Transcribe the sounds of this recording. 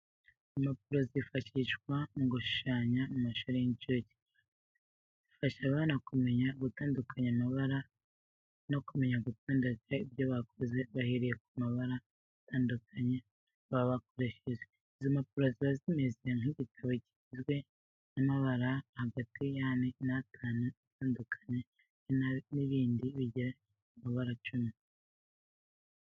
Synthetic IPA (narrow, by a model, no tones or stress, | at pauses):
map̚uɾo̞zifaʃiʃkwaŋɡuʃu̥ʃaːɲamumaʃuɾejiɲt͡ʃuɟi̥ | zifaʃaβanakume̞ɲaɡutaːndukʰaɲamaβaɾa | no̞kume̞ɲaɡutaːndukaib̚joβakʰoze̞βahiɾije̞k̚umaβaɾa | atʰaːndukʰaɲa | βaβako̞ɾe̞ʃeʒe | izomapuɾoziβazimezeŋiɟitʰaβoɟi̥izɡwe̞ | namaβaɾahaɡatijaːnenatʰaːnuataːndukʰḁɲe | niβiːndiβiɟiɾa | umaβaɾat͡ʃumi